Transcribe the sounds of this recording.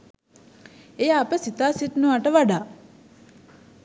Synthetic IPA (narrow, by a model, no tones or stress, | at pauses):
ejaːpəsit̪aːsit̪noʋaʈəʋaɖaː